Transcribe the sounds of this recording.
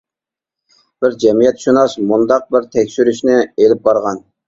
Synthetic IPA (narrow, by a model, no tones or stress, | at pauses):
b̥ɪɾd͡ʒɛmijɛt̪ʃunɑʃmund̪ɑq̚bɪɾt̪ʰɛkʲʃyɾyʃnɪelɪp̚bɑɾʁɑn